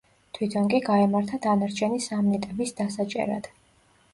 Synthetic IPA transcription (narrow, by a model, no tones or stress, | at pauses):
t̪ʰwit̪ʰɔŋkʼiɡaɛmaɾt̪ʰad̪anaɾt͡ʃʰɛnisamnɛt̪ʼɛbisd̪asat͡ʃʼɛ̰ɾa̰d̪̥